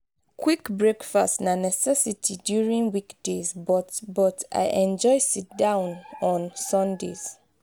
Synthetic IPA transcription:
kʰwikbɹekfastnanɛsɛsitʰidjuɹĩŋwikdezbɔtbɔta̰ɪʔɛ̃nd͡ʒɔɪsit̚dãʊ̃nɔ̃nsɔ̃ndḛz̥

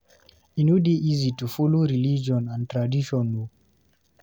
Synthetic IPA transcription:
inudiʔizitufuluɾilid͡ʒɔnãntɾadiʃɔnu

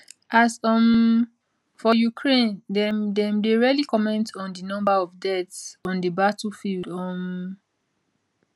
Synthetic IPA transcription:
ʔasɔm | fɔjukʰɹẽndɛmdɛ̃mdeɹialikɔmɛ̃ntɔ̃ndənɔ̃mbaɔvdɛtsɔ̃ndəbatəlfildɔ̃m

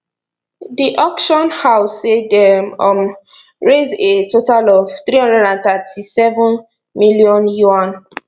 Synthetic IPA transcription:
diʔɔkʃɔ̃nhaʊsedɛmɔm | ɹezetotalɔv̥θɹihɔ̃ndɹɛdãnθatʰisɛvũn | miliɔ̃njuãn

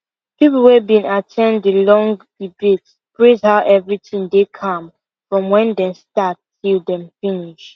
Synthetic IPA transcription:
pipl̩ˠwebĩnatʰɛ̃nddəlɔ̃ŋɡd̥ibets | pʰɹezhaʊʔɛvɹitĩŋdekʰʌ̃m | fɹɔ̃mwɛ̃ndɛ̃stattʰilˠdɛ̃mfĩniʃ

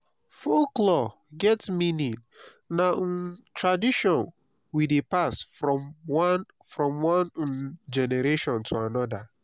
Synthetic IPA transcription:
foklɔ | ɡɛtmĩnĩ | nan̩tʰɹadiʃɔ̃n | widepasfɔwan | fɾɔ̃mwãnd͡ʒɛneɾeʃɔ̃ntʰoanɔda

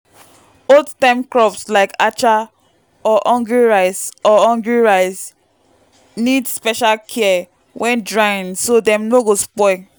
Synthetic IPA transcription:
oldtãmkɹɔpslaɪkat͡ʃa | ɔʔɔ̃ŋɡuɹaɪsɔɔ̃ŋɡuɹaɪs | nidspɛʃalkʰɛɛ | wʔɛ̃ndɹaɪ̃nsodɛ̃mnoɡospɔ

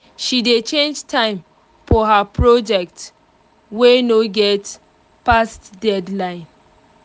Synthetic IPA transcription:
ʃidet͡ʃẽnd͡ʒtʰãɪ̃m | fɔɦapɹɔd͡ʒɛk̚t | wenoɡɛt | pastdɛdlãɪ̃n

